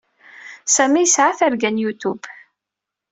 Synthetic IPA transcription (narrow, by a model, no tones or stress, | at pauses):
sæmijəsʕaθæɾɡænjut̪ub